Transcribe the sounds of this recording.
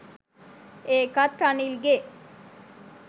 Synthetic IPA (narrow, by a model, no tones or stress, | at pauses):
eːkɐt̪ɾanilɡe